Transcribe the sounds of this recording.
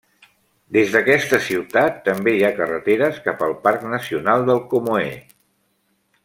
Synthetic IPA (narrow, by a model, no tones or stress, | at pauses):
d̪ezðəkɛst̪əsiwt̪at̪ːəmbejakərət̪eɾəskapəlˠpaɾknəsiunalˠd̪əlˠkomoe